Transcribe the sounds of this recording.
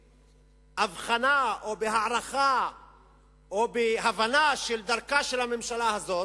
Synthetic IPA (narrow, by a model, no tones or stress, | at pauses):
ʔavχanaʔobeɦaʕʁaχa | obeɦavanaʃeld̪aʁkaʃelhamemʃalahazo̞